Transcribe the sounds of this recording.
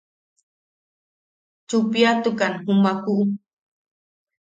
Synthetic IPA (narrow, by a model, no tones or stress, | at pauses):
t͡ʃʊpjat̪ʊkanhumakuʔ